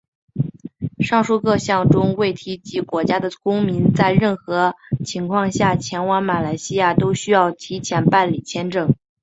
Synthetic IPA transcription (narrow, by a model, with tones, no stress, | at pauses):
ʂɑ˥˧ŋʂu˥˧kɤ˥˧ɕjɑ˥˩ŋʈ͡ʂʊ˥ŋwe˥˩ɪt̪ʰi˧˥t͡ɕi˧˥kwɔ˧˥t͡ɕja˥d̪ə˨kʊ˥ŋmi˧˥nt͡sa˥˧ɪɻə˥˩nxɤ˧˥t͡ɕʰi˧˥ŋkʰwɑ˥˧ŋɕja˥˩t͡ɕʰjɛ˧˥nwɑ˧˥ŋma˨˩la˧˥ɪɕi˥ja˥˩t̪o˥ʊɕy˥jɑ˥˩ʊt̪ʰi˧˥t͡ɕʰjɛ˧˥npa˥˩nli˨˩t͡ɕʰjɛ˧˥nʈ͡ʂɤ˥˩ŋ